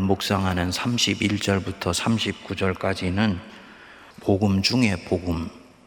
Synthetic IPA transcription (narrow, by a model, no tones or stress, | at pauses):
mok̚s͈aŋɦanɯnsʰamɕʰibiɭt͡ɕ͈ʌɭbutʰʌsʰamɕʰip̚k͈ud͡ʑʌɭk͈ad͡ʑinɯn | poɡɯmd͡ʑuŋe̞poɡɯm